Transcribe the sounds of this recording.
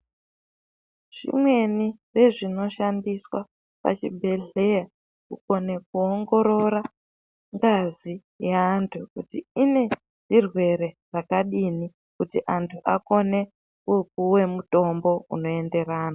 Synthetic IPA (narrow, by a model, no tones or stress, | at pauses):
ʐ̥ḭmwe̞nire̞ʐino̞ʃandiswa | pa̰t͡ʃibʱe̞ɮe̞ja | kuko̞ne̞k̚uoŋɡo̞ɾo̞ɾa | ŋɡazi | jeantʰukutiine̞ | ʐ̥irwe̞ɾe̞ | rakaɗini | kutiʔantʰuʔako̞ne̞ | kuk̚uwe̞muto̞mbo̞ṵno̞e̞nde̞ɾaːna